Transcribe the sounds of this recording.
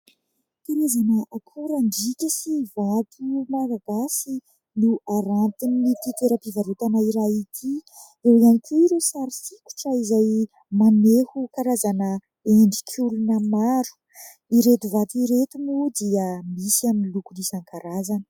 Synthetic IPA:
t̪enezanəakʰuɾaɳɖ͡ʐikʲəsivat̪ʰumaɾaɡasi | nuaɾant̪inːit̪it̪eɾəpivaɾut̪anaiɾait̪ʰi | ewianikʰuiɾosaɾisiku̥ʈ͡ʂəizaj | manehukaɾazanə | eɳɖ͡ʐikʰʲulunəmaɾu̥ | iɾet̪uvat̪iɾet̪umud̪iəmisiaminilukulisaŋkaɾazanə̥

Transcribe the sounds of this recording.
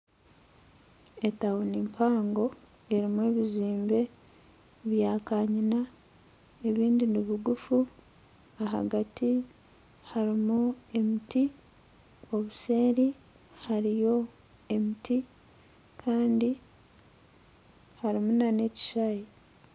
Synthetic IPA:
etawunimpʰaːŋɡo̞ | e̞ɾimwe̞ːβiziːmbe̞ | βjaːkaːɲina | e̞βiːndiniβiɡufu | aɦa̰ɡati | haɾimue̞miti | o̞βuse̞ːɾi | haɾijo̞ | e̞mitʰi | kʰaːndi | haɾimunane̞ci̥ʃaji

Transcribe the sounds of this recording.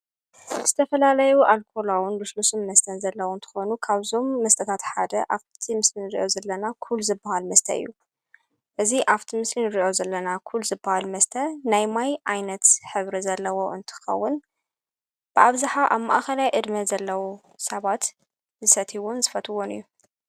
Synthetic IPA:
z̥ɨt̪ʰɐfɐlalɐjuʔalkʰo̞lawʊnluslusummɐst̪ʰɐnzɐlːɐwnt̪ʰɨ̥xo̞nukʰaβzo̞mːɐst̪ʼɐt̪ʰat̪ħad̪ɐʔaβt̪ʰimɨslinɨɾiʔo̞zɐlːɐnakʰuluzɨbːahalmɐst̪ʰɐ̰ɨ̰jːu | ʔɨziʔaβt̪ʰimɨslinɨɾiʔo̞zɐlːɐnakʰuluzɨbːahalmɐst̪ʰɐnajmajʔajnɐt̪ħɨβɾizɐlːɐwo̞ʔɨnt̪ʰɨ̥xɐ̰wːʊn | b̥ɨʔaβzaħaʔaβma̰ʔaxɐlajʔɨd̪mɐzɐlːɐwu | sɐβat̪ | zɨsɐt̪ʰiwonzɨfɐt̪ʰɨwonɨ̰jːu

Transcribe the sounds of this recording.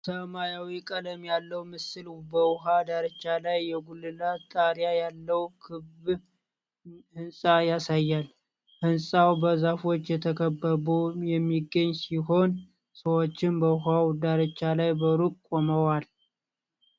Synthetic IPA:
səmajawikʼələmjalːəwmɨsɨlbəwɦad̪aɾət͡ʃːalajːɛɡulːɨlat̪ʼaɾjajalːəwkʰɨb | hɨnsʼajasajːal | hɨnsʼawbəzafo̞t͡ʃːjɛt̪ʰəkʰəbːəbujɛmːiɡːəɲːsiɦo̞n | səwo̞t͡ʃːɪnbəwɦawd̪aɾət͡ʃːalajbəɾukkʼːoməwal

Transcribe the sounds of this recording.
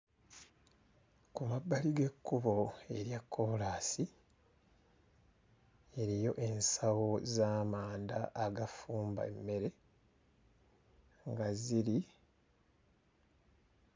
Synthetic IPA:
kumabːaliɡe̞kːuβo̞e̞ɾjakʰːoːlaːsi | e̞ɾijo̞ʔe̞nsawo̞zaːmaːndaʔːɡafuːmba̰emːe̞ɾe̞ | ŋɡaziɾi

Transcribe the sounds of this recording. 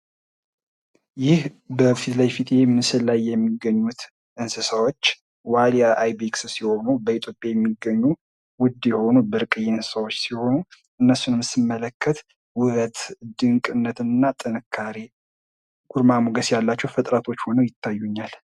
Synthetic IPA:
jɪhbəfit̪lajfit̪ʰʼjemnsɨlːajːɛmːiɡːəɲːut̪ | ʔɨnsɨsawot͡ʃː | walijaʔajbekssiho̞nubəit̪ʰjopʼjajɛmːiɡəɲːu | wʊd̪jɛho̞nubəɾɨkʼɨjensə̥sawot͡ʃːsiho̞nu | ɨnːəsːunɨmsɨmːələkʰːət̪ | wʊɾət̪d̪ɨŋkʼɨnːət̪ɨnːat̪ʼɨnɨkʰːaɾe | ɡ̥uɾmamuɡəsjalːat͡ʃːɛwfət̪ʼɾat̪ʰo̞t͡ʃːho̞nəwjɪt̪ʰːajːuɲːal

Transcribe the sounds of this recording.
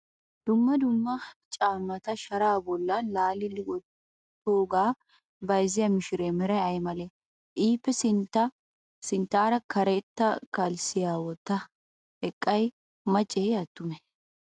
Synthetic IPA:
d̪̥ʊmːɐd̪ʊmːɐt͡ʃʼaːmːɐt̪ɐʃɐɾaːbɔlːɐlaːlɪlɪɡɔ | t̪oːɡaː | bɐjzɪjɐmɪʃɪɾeːmɪɾɐɐjmɐlɛ | ʔiːpːɛsɪnt̪ɐ | sɪnt̪aːɾɐkʰɐɾet̪ːɐkɐlsɪjaːwɔt̪ːɐ | hɛkʼːɐj | mɐt͡ʃʼːejɐt̪ːʊmɛ

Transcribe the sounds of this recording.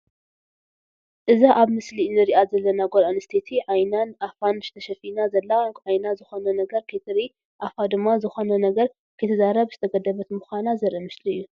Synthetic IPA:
ʔɨzaʔaβmɨslinɨɾiʔazɐlːɐnaɡolanɨst̪ʰet̪ʰiʕajnanafanɨʃt̪ʰɐʃɐfinazɐlːaakʼʕajnazɨxonɐnɐɡɐɾkʰet̪ʰɾi | ʔafad̪ɨmːazɨxonɐnɐɡɐɾ | kʰɨt̪ʰɨzaɾɐβzɨt̪ʰɐɡɐd̪ɐβɐt̪muxʷanazɐɾʔimɨsliɨjːu

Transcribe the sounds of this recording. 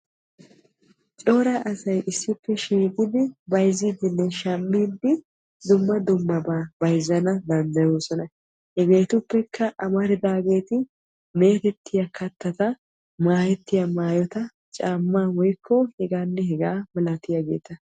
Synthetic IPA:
t͡ʃʼo̞ːɾaʔɐsɐjʔɪsːɪpːɛʃiːkʼɪd̪ɪbɐjzid̪ɪnːɛʃɐmːiːd̪ɪ | d̪ʊmːɐd̪ʊmːɐbaːbɐjzɐnɐd̪ɐnd̪ɐjoːsɔnɐ | hɛɡe̞ːt̪ʊpːɛkʰːɐʔɐmɐɾɪd̪aːɡe̞ːt̪ɪ | me̞ːt̪ɛt̪ʰːɪjɐkʰɐt̪ːɐt̪ɐ | maːjɛt̪ːɪjɐmaːjɔt̪ɐ | t͡ʃʼaːmːaːwɔjkʰːɔhɛɡaːnːɛhɛɡaːbɐlɐt̪ɪjɐɡe̞̰ːt̪ɐ

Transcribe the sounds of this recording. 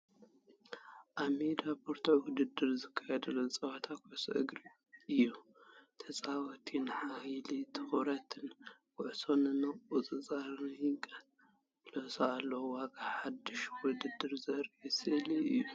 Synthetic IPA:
ʔaβmed̪apʰoɾt̪ʰowʊd̪ɨd̪ɨɾzɨkʰːajɛd̪ɨlot͡sʼɐwɐt̪ʰakʰʊʕso̰ʔɨ̰ɡɾi | ɨjːut̪ʰɐsʼawɔt̪ʰinħahilit̪ʰɨxɾɐt̪ʰɨnkʰʊʕsonɨnɐut͡sʼɨt͡sʼaɾnjɨŋkʼɐ | losaalːɐwwaɡaħad̪ːɨʃwʊd̪ɨd̪ːɨɾzɐɾɛsɨliɨjːu

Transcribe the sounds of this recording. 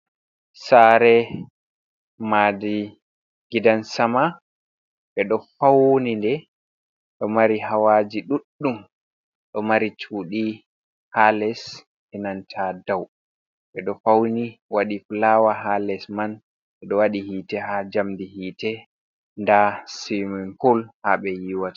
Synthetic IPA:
saɾɛ | madi | ɡidansama | ɓɛɗɔfawnindɛ | ɗɔmaɾihawad͡ʒiɗuɗːum | ɗɔmaɾit͡ʃuːɗi | halɛs | ʔɛnantʰadaw | ɓɛɗɔfawniwaɗiflawaɦalɛsman | ɓɛɗɔwaɗihiːtɛhad͡ʒamdihiːtɛ | ndasiminfulhaɓɛjiwatḁ

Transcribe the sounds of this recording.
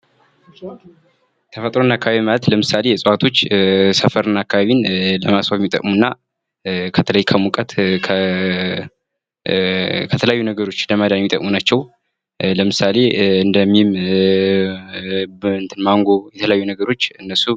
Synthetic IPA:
t̪ʰəfət̪ʼɾonːakːaβaβimalət̪ləmɨsale̞jɛsʼəwat̪ʰo̞t͡ʃːsəfəɾɨnːakːaβaβinləmasafmːit̪ʼːə̰kʼmunːa | kʰət̪ʰələjkʰəmukʼət̪kʰə | kʰət̪ʰələjajːunəɡəɾo̞t͡ʃːləmad̪anmːit̪ʼəkʼmunat͡ʃːɛw | ləmɨsale̞ɨnd̪əmːim | ɨnt̪ʰɨnmaŋɡo̞jɛt̪ʰələjajːunəɡəɾo̞t͡ʃːɨnːəsu

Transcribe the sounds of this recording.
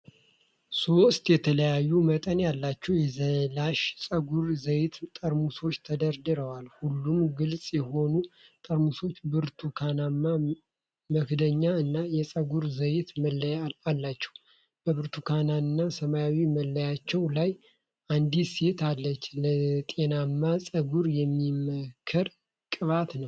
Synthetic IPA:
so̞st̪jɛt̪ʰələjajːumət̪ʼənjalːat͡ʃːɛwjɛzəlaʃsʼəɡuɾzəjt̪t̪ʼəɾmuso̞t͡ʃːt̪ʰəd̪əɾd̪ɨɾəwalhulːumɡɨlt͡sʼjɛho̞nut̪ʼəɾmuso̞t͡ʃːbɨɾt̪ʰukʰananːa | məkd̪əɲːaɨnːajɛsʼəɡuɾzəjt̪məlːalːat͡ʃːɛw | b̥əβɨɾt̪ʰukʰanaɨnːasəmajawiməlːəjat͡ʃːɛwlaj | ʔand̪ise̞t̪ʰalːət͡ʃːlət̪ʼe̞namːasʼəɡuɾjɛmːiməkʰːəɾ | kʼɨβat̪nəw

